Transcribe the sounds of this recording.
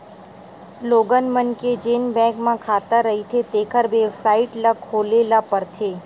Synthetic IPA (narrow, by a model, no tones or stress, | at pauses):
loːɡənmənked͡ʒeːnbɛ̃ːkmãkʰaːt̪əɾəɦit̪ʰet̪eːkʰəɾʋeːbsaːɪʈlakʰːoːlelapəɾt̪ʰeː